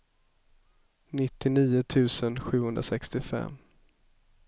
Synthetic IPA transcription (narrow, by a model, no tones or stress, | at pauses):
nɪt̪ːɪniːʊt̪ʰʉ̟ːsənɧʉ̟ːhɵnd̪ɾasɛkst̪ɪfɛ̰mː